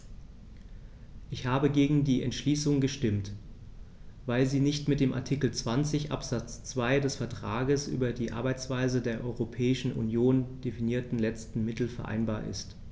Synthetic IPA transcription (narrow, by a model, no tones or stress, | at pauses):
ʔɪçhaːbəɡeːɡŋ̩diːɛ̰ntʃliːsʊŋɡəʃtɪmt | vaɪlziːnɪçtmɪt̚d̥eːmʔa̰ɐtʰikl̩t͡sv̥ant͡sɪçʔa̰pz̥at͡st͡sv̥aɪdɛsfɛɐtʁ̥aːɡəsʔy̰ːbɐdiːʔa̰ɐbaɪt͡sv̥aɪzədeːɐʔɔʏʁopʰɛːɪʃn̩ʔṵnjoːnd̥efiniːɐtn̩lɛt͡stn̩mɪtl̩fɛɐʔa̰ɪnbaːɐʔɪ̰st